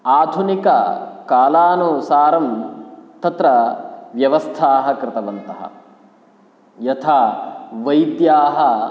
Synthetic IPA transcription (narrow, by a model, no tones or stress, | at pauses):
aːd̪ʱunikɐkaːlaːnusaːɾɐmt̪ɐt̪ɾɐʋjɐʋɐst̪ʰaːɦɐkɾɪt̪ɐʋɐnt̪ɐɦɐ̰ | jɐt̪ʰaːʋɐjd̪jaːɦɐ